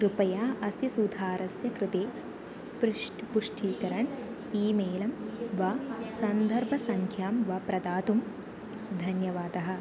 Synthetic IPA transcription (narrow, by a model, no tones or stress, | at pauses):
kɾupɐjaːʔɐsjɐsud̪ʱaːɾɐsjɐkɾɪt̪eː | pɾʂʈpuʂʈʰiːkɐɾɐɳ | iːmeːlɐmʋɐsɐnd̪ʱɐɾbʱɐsɐŋkʰjaːmʋɐpɾɐd̪aːt̪um | d̪ʱɐnjɐʋaːd̪ɐɦɐ̆